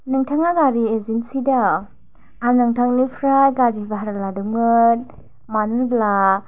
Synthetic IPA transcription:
nɯŋtʰaŋaɡaɾiezinsida | anɯŋtʰaŋnipʰɾajɡaɾibaɦaɾaladuŋɯt | manbla

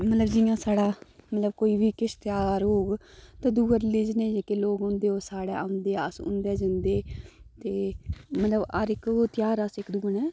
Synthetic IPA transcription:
mət̪ləbd͡ʒɪjãːsaːɽaːmət̪ləbkoːiːbiːkɪst̪ɪjaːɾɦoːɡt̪aːd̪uːəɾlɪd͡ʒneːd͡ʒekeloːɡɦõnd̪eːoːsaːɽɛːaʊnd̪eːasʊ̰̃nd̪ɛːd͡ʒɪnd̪eːt̪eːmət̪ləbəɾɪkːt̪ɪjaːɾəsɪkd̪uːənɛː

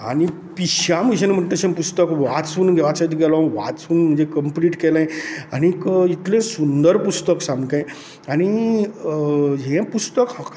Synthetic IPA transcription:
a̰ni | piɕamiɕənem̤əɳt̪əɕẽpust̪əkʋat͡suːnɡʱeʋat͡sajt̪ɡɛlɔ̃ʋa̰t͡suːnm̤əɳd͡zekəmpliːʈkelẽañikit̪lẽsund̪əɾpust̪əksamkã | añi | ɦẽpust̪əkɦk

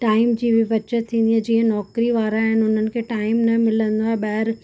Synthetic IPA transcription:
ʈaːɪmd͡ʑiːbɪʋɐt͡ɕət̪ʰːĩːnd̪id͡ʑiːɦə̃nɔːkɾiʋaːɾaːɦɪnɪɦʊn̤ənɪ̆kʰeːʈaːɪmnɐmɪlə̃nd̪oaːeɓɐɦɪɾ

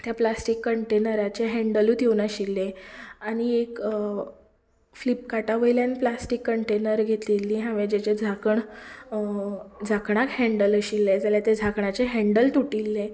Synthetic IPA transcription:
t̪japlasʈikːəɳʈenəɾat͡ɕeɦɛ̃ɳɖəlut̪jewnəɕilːeaɽ̃iek | flip̚kaʈaʋəjljanplasʈikːəɳʈenəɾɡʱet̪iːlːiɦãʋed͡ʑet͡ɕed͡zʱakəɳ | d͡zʱakɳakhɛ̃ɳɖələɕilːed͡zaljat̪ed͡zʱakɳat͡ɕeɦɛɳɖəlt̪uʈilːe

